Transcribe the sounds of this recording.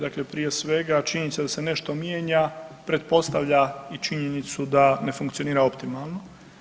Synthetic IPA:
d̪akle̞pɾije̞sʋe̞ɡat͡ʃiɲenit̪sed̪ase̞ne̞ʃt̪o̞mjeːɲapɾe̞t̪̚po̞st̪aʋʎait͡ʃiɲenit̪sud̪ane̞fuŋkt̪ioniːɾao̞pt̪imalno

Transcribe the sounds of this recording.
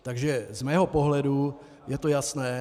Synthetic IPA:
t̪aɡʒɛzmɛːɦo̞poɦlɛdu | jɛt̪ojasnɛː

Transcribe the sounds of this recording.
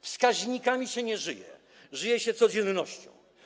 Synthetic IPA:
fskaʑɲikamʲiɕɛɲɛʐɘjɛ̰ | ʐɘjɛɕɛt̪sɔd͡ʑɛnːɔɕt͡ɕɔ̰̃w̃

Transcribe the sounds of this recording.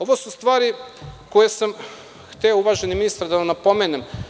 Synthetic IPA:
o̞ʋosust̪ʋaːɾiko̞jesam | xt̪eouʋaːʒe̞niminist̪aɾd̪aanapo̞menem

